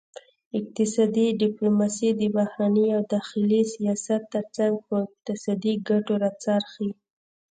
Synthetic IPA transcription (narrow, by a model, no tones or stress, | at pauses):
ɪk̚t̪ɪsɑd̪iɖɪplomɑsid̪ɪbahɾanəawd̪ɑxɪlisijɑsat̪ːəɾt͡saŋɡ̚pəɪq̚t̪ɪsɑd̪iɡaʈoɾat͡sɑɾxi